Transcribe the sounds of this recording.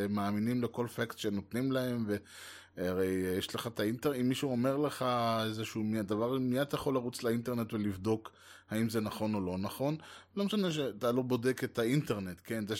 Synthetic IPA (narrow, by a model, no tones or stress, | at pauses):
maːminimleko̞lfaktʃenotnimlahe̞mve̞ | aʁe̞jjeʃleχat̪ainteʁimːiʃuome̞ʁle̞χaezeʃumiad̪avaʁmijat̪ajaχo̞lːaʁut͡slainte̞ʁne̞tvelivd̪o̞k | haimzenaχo̞no̞lo̞naχo̞nlo̞meʃane̞ʃ̬et̪alobo̞deket̪ainteʁne̞tke̞nze